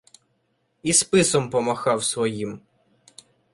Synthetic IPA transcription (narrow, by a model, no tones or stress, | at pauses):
ispɪsɔmpɔmɐxɑwsʋɔjim